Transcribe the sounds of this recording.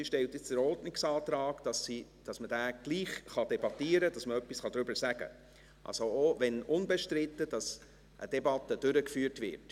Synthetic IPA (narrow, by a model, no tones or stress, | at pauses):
iʃtɛlt̪ɪt͡sd̥əɾɔɾdnɪksɑːt̪ɾɑːɡd̥ɑsi | d̥ɑsməd̥æːɡ̥liːχχɑd̥̪ɛbɑtiːəɾədɑsməœpːisχɑd̥̪ɾʏbəɾsæɡ̥ə̰ | ʔɑ̰lsooʋɛnʊnbɛʃtɾɪt̪ːəd̥ɑs | ʔə̰d̥ɛbɑt̪ːəd̥ʏɾəkfyːəɾtvɪ̰ɾt